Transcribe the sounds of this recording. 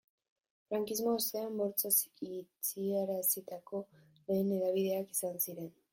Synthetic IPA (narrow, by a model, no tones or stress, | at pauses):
fɾaŋkizmoost̪e̞ambo̞ɾt͡sasit͡sieɾasit̪ako̞ | le̞jne̞ðaβ̞iðe̞akisansiɾe̞n